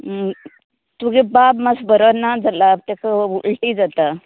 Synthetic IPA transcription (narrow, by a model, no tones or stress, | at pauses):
t̪uɡebabmasbəɾənːad͡zalab̚t̪ekəuɭʈid͡zat̪a